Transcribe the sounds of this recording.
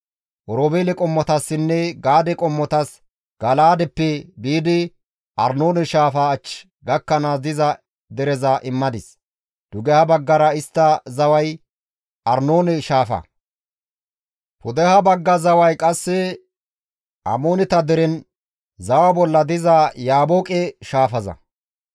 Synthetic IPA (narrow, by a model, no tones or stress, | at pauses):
ʔɔɾoːbeːlɛkʼɔmːɔt̪ɐsːɪnːɛɡaːd̪ɛkʼɔmːɔt̪ɐs | ɡ̥ɐlaːd̪ɛpːɛbiːd̪ɪ | ʔɐɾnoːnɛʃaːfɐːt͡ʃ | ɡɐkːɐnaːsd̪ɪzɐ | d̪ɛɾɛzɐʔɪmːɐd̪ɪs | d̪̥ʊɡɛhɐbɐɡːɐɾɐɪst̪ːɐzɐwɐj | ʔɐɾnoːnɛʃaːfɐ̰ | pʊd̪ɛhɐbɐɡːɐzɐwɐjkʼɐsːɛ | ʔɐ̰moːnɪt̪ɐd̪ɛɾɛn | zɐwɐbɔlːɐd̪ɪzɐjaːboːkʼɛʃaːfɐzɐ̰